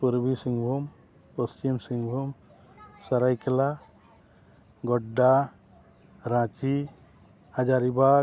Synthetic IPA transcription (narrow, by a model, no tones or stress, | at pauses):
puɾbʱisiŋɡbʱum | pəst͡ʃimsiŋɡbʱum | səɾajkela | ɡɔɖːa | ɾãt͡ʃi | had͡ʒaɾiba